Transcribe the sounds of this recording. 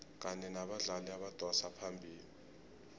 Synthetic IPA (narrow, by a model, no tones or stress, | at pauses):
k̬ʼanɛnaɓaɮaliaɓad̥ʼʱwɔsapʰambʱiːli